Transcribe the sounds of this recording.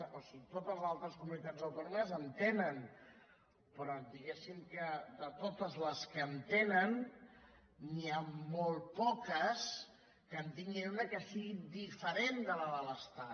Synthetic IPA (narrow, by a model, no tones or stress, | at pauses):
osit̪ot̪əzalˠt̪ɾəskumunit̪ad͡zəwt̪onuməzənt̪enən | pɾɔd̪iɣesimkəd̪ət̪ot̪əzləskəːnt̪enən | iamol̚ˠpɔkəs | kənt̪iŋɡend̪əkəsiɣid̪ifəɾend̪ələðələst̪a